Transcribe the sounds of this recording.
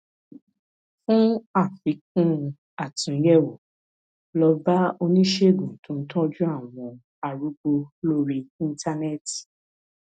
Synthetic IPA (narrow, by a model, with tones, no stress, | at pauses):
fũ˦a˦˨fĩ˨˦k̚ũ˦ | a˦˨tũ˨˦jɛ˦˨wo˨ | lɔ˧ba˦o˧nĩ˦ʃe˦˨ɡũ˨tũ˦n̩˦tɔ̃˦d͡ʒũ˦a˦˨w̃ɔ̃˧ | a˨ɾu˨˦ɡ͡bo˧lo˦ɾi˧ĩ˦n˦tʰa˦nɛ˦˨t